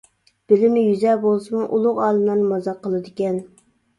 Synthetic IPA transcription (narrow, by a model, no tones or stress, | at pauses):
b̥ɪlɪmnɪjyzɛbolˠsɨmuʔulˠʊqɑːlˠɨmlˠɑɾnmɑzɑqʰːəlˠɨd̪ɪkʲɛn